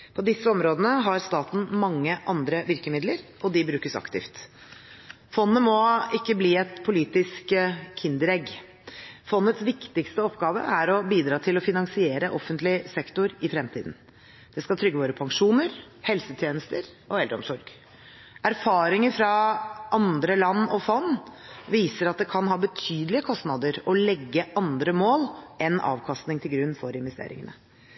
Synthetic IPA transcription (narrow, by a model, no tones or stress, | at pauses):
pʰɔd̪ɪsːəɔmɾoːd̪ənəɦɑɾst̪ɑːt̪n̩mɑŋːəʔɑnd̪ɾəʋɪɾkəmɪd̪ləɾʔɔd̪ɪbɾʉːkəsɑ̰kt̪ɪ̰ft̪ | fɔnːəmɔɪkːəbliːɛt̪pʰʊliːt̪ɪskʰːɪnd̪əɾɛɡ | fɔnːət̪sʋɪkt̪ɪkst̪əɔpːɡɑːʋə̰ʔæɾɔbiːd̪ɾɑːt̪ʰɪlɔfɪnɑŋsɪeːɾəʔɔfːənt̪lɪsɛkt̪ʊɾɪfɾɛmt̪ʰiːd̪n̩ | d̪̥ɛskɑt̪ʰɾʏɡːəʋoːɾəpʰɑŋʂuːnəɾ | hɛlsət̪ʰjeːnəst̪əɾ | ʔɔɛlɾɔmsɔɾɡ̥ | æɾfɑːɾɪŋəɾfɾɑʔɑnd̪ɾəlɑnːɔfɔnːʋiːsəɾɑt̪̚d̪ɛkʰɑnɦɑːbət̪ʰyːd̪əlɪəkʰɔst̪nɑd̪əɾɔlɛɡːəʔɑnd̪ɾəmoːlʔɛnɑ̰ːʋkʰɑst̪nɪŋt̪ʰɪlɡɾʉnːfɔɾɪnʋɛst̪ḛːɾɪ̰ŋənə̰